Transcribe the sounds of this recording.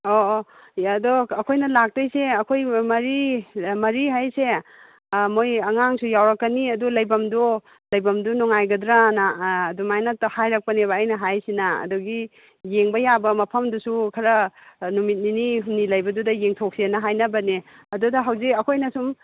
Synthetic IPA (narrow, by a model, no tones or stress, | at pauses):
o | ɐdɔɐkʰojnɐlak̚tɐjseɐkʰojmɐɾimɐɾiɦajse | mojɐŋaŋsujawɾɐkːɐniɐdulɐjbɐmdɔ | lɐjbɐmdunɔŋajɡɐdɾanaːdumajnathajɾɐk̚pɐneβaːjnɐɦajsinaɐ̰duɡi | jeŋbɐjabɐmɐpʰɐmdusukʰɐɾɐnumit̚niniɦumnilɐjbɐdudɐjeŋtʰok̚senɐɦajnɐbɐni | ɐdudɐɦawzikɐkʰojnɐsum